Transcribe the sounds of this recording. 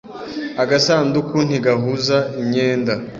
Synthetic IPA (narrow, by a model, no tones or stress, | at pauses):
aɡasaːndukun̥iɡaɦuzaiɲeːnda